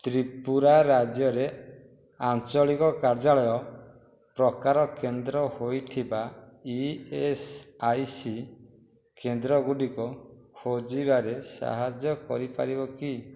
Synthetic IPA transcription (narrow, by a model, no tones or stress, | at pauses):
t̪ɾipuɾaɾad͡ʒjɔɾe | ant͡ʃɔɭikɔkaɾd͡ʒaɭɔjɔ | pɾɔkaɾɔkend̪ɾɔhojt̪ʰibaiesajsi | kend̪ɾɔɡuɖikɔkʰod͡ʒibaɾesa̰ɦad͡ʒjɔkɔ̰ɾipa̰ɾibɔki